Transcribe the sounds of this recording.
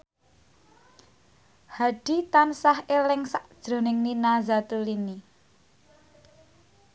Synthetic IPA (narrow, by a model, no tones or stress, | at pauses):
haɖ̥i̤t̪ansahʔelɪŋsaʔd̥ʒ̥ɾo̤nɪŋninazat̪ulini